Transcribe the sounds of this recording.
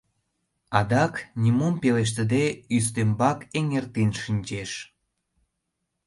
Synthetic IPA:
ɑd̪ɑknʲimompeleʃ̬t̪əd̪eyst̪embɑkeŋert̪inʃinʲt͡ɕeʃ

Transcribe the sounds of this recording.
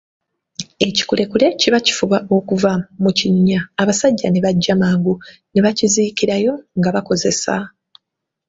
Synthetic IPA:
e̞ci̥kule̞kule̞ciβaci̥fuβaʔo̞kuvamuciɲːaːβasaɟːane̞βaɟːamaːŋɡu | neβacizikiɾajo̞ŋɡaβako̞ze̞sa̰

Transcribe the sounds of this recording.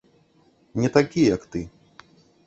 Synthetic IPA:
nʲɛt̪akʲijɐkt̪ɨ

